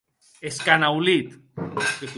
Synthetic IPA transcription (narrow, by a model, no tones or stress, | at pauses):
eskanawlit̪ket̪